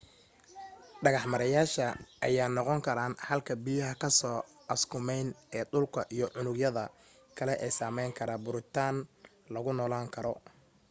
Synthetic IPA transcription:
ɖɐɣɑħmɐɾɐjaːʃɐʔɐ̰jaːnɔqɔŋkʰɐɾaːnhɐlkʰɐbijɐɦɐkʰɐsɔː | ʔɐskʰʊmɛjnɛːɗʊlkʰɐʔijɞʕʊnʊɡjɐðɐ | kʰɐlɛʔɛːsaːmɛjŋkʰɐɾaːbʊɾɪt̪ʰaːn | lɐɣʊnɔːlaːŋkʰɐɾɔ

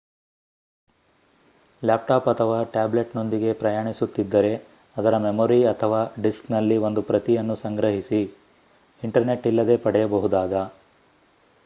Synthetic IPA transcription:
laːp̚ʈaːpɐt̪ʰɐʋaːʈaːble̞ʈno̞nd̪iɡe̞pɾɐjaːɳisut̪ːid̪ːɐɾe̞ | ɐd̪ɐɾɐmemoːɾiɐt̪ʰɐʋaːɖisknɐlːio̞nd̪upɾɐt̪ijɐnːusɐŋɡɾɐɦisi | iɳʈɐɾne̞ʈːilːɐd̪e̞ːpɐɽɛjɐbɐɦud̪aːɡɐ

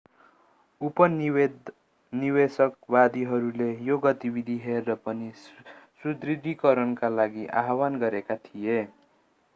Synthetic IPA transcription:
upʌn | niwesʌkbad̪iɦʌɾulejoɡʌt̪ibid̪ʱiɦerːʌpʌnisud̪rid̪ʱikʌɾʌnkalaɡiʔa̰ɦwanɡʌɾekat̪ʰije

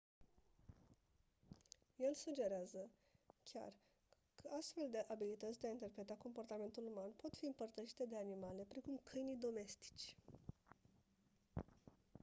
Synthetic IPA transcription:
je̞lsud͡ʒe̞ɾeazə | kʲa̰r | kʰəast̪fe̞ld̪e̞ʔabilit̪ət̪sʲd̪eaint̪e̞rpɾe̞t̪ako̞mpo̞rt̪ame̞nt̪ulumanpo̞t̪fiɨmpərt̪əʃi̥t̪e̞d̪e̞animale̞pɾe̞kumkʰɨjnijd̪o̞me̞st̪i̥t͡ʃʲ

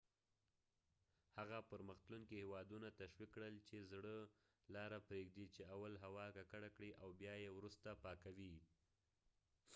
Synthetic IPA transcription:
haɣapəɾməxt̪luŋkihewɑd̪unat̪aʃwikːɽəlt͡ʃezɽə | lɑɾapɾeɡd̪it͡ʃeawalɦawɑkakaɽakɽiʔawbjɑjewɾust̪apɑkawi

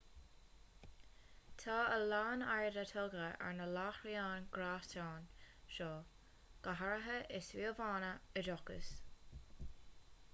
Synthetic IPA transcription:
t̪ʰaːəlaːnajdət̪ʰɔlɡəʔɛ̰ɹnəlaːxɾiaːnɡɾaːstaːnʃɔː | ɡ̥əɦaɹəɦəʔɪswiːəvaːnəədɔkə̰s

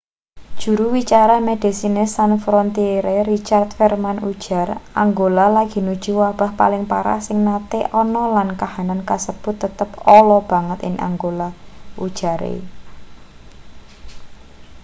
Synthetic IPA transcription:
d̥ʒ̥ṳɾuwit͡ʃaɾamed̪̥i̤sinesanfɾɔnt̪eɾeɾit͡ʃart̪fɛrmanu̥d͡ʒ̥a̤raŋɡolalaɡ̥i̤nud̥ʒ̥uwab̥a̤hpalɪŋpaɾa̰hsɪŋnat̪eʔɔnɔlankahanankasəb̥ʊ̤t̪ːət̪əpɔlɔb̥a̤ŋət̪ɪ̰ŋa̰ŋɡolaʔud̥ʒ̥a̤ɾḛ

